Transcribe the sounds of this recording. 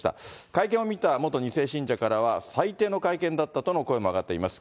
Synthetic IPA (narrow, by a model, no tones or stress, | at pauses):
t̪a̰kaikẽɰ̃omʲit̪amo̞t̪o̞ɲ̟ise̞ːɕĩɲd͡ʑakaɾaβ̞asait̪e̞ːno̞kaikẽ̞nd̪at̪ːat̪o̞no̞ko̞emo̞aɡat̪ːe̞ḭmasɨ̥